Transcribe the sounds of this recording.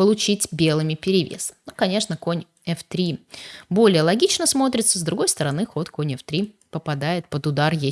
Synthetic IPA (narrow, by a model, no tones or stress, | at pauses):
pəlˠʊt͡ɕitʲbʲe̞lˠɨmʲɪpʲɪɾʲɪvʲḛsnokɐnʲe̞ʂnəkonʲ | ɛft̪ɾʲibo̞lʲɪjəlˠɐɡʲit͡ɕnəsmo̞t̪ɾʲɪt̪səzd̪ɾʊɡo̞jst̪əɾɐnɨxo̞t̪konʲɛft̪ɾʲi | pəpɐd̪ajɪt̪̚pəd̪ʊd̪arje